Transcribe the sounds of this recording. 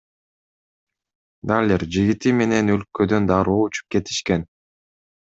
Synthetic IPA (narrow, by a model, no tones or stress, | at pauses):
d̪alʲeɾd͡ʒiɡit̪ime̞ne̞nø̞lkød̪ø̞nd̪ɑɾuːut͡ʃu̥p̚ke̞t̪i̥ʃke̞n